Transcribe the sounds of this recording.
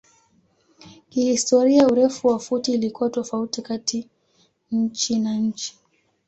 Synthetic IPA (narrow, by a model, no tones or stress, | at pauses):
kihistɔɾiauɾɛfuwafutiːlikuwatɔfautikati | ɲ̩t͡ʃinaɲ̩t͡ʃi̥